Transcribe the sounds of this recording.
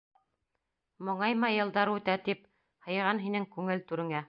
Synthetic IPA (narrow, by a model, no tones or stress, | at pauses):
mŏɴɑjmɑjɤ̆lˠd̪ɑɾʉt̪æt̪ip̚ | hɤ̆jʁɑnɦinɘŋkʉŋɘlt̪ʉɾɘ̆ŋæ